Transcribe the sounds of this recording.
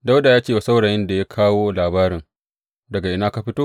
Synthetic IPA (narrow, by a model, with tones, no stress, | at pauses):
da˦wda˨jaː˦t͡ʃeː˦wa˨sa˦wɽaː˨jɪ˦nda˨ja˦kʰaː˦woː˦laː˨baː˦ɾɪ˨ŋ | dɐ˨ɡa˨ʔɪ˨naː˦ka˨ɸɪ˦toː˦